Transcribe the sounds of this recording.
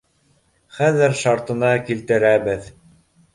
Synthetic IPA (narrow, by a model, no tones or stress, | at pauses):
χæðɘɾʃɑɾt̪ɤ̆nɑkilt̪ɘ̆ɾæbɘð